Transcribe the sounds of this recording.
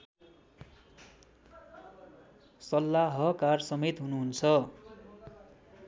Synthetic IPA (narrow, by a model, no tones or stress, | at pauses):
sʌlːaɦʌkarsʌmet̪ɦunuɦunt͡sʰʌ